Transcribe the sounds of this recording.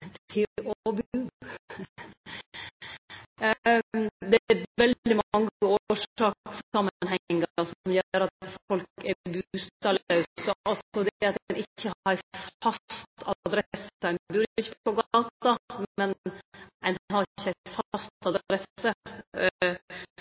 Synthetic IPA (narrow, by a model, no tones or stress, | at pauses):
t̪ʰɪɔbʉː | d̪ɛæɾʋɛld̪d̪ɪmɑŋːəoːʂɑːksɑmənɦɛŋːəɾsɔmjøːɾɑt̪fɔlkɛbʉʉst̪ɑlɑʉsɔʔɔsɔd̪ɑt̪̚nɪçːəɑɾfɑst̪ɑd̪ɾɛsəæɪnbʉɾɪçːəpoɔɡɑːt̪ɑmɛnænhɑɾçːəæɪt̪fɑst̪ɑd̪ɾɛsə